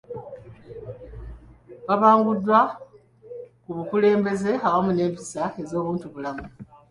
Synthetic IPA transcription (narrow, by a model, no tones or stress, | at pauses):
βaβaːŋɡudːwa | kuβukule̞ːmbe̞ze̞aβamune̞ːmpi̥sae̞zo̞ːβuːntuβulamu